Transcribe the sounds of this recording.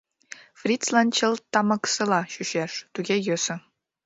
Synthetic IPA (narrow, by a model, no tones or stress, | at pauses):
frʲit̪t͡slˠɑnʲt̪t͡ɕɤ̆lˠt̪ɑmɑksɤ̆lˠɑɕyɕeʂt̪uɡʲejøsɘ̆